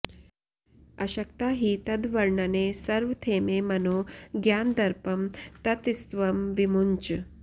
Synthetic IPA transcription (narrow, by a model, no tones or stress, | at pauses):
ɐɕɐkt̪aɦiːt̪ɐd̪ʋɐɾɳɐnesɐɾʋt̪ʰeːmemɐnoːɡjaːnd̪ɐɾpɐmt̪ɐt̪ist̪ʋɐmʋimuɲt͡ʃ